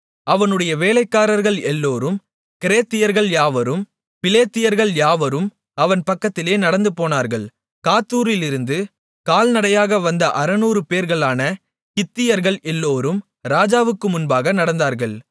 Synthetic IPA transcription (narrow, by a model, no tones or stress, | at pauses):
ʔɐʋɐnɯɽɐjɐʋeːlɐɪkːaːɾɐɾɣɐɭɛlːoːɾɯm | kɪɾeːt̪ːɪjɐɾɣɐɭjaːʋɐɾɯm | pɪleːt̪ːɪjɐɾɣɐɭjaːʋɐɾɯm | ɐʋɐnpɐkːɐt̪ːɪleːnɐɽɐnd̪ɯpoːnaːɾɣɐɭ | kaːt̪ːuːɾɪlɪɾɯnd̪ɯ | kaːlnɐɽɐjaːɣɐʋɐnd̪ɐʔɐɾɐnuːɾɯpeːɾɣɐɭaːnɐ | kɪt̪ːɪjɐɾɣɐɭʔɛlːoːɾɯm | ɾaːd͡ʒaːʋɯkːɯmʊnbaːɣɐnɐɽɐnd̪aːɾɣɐɭ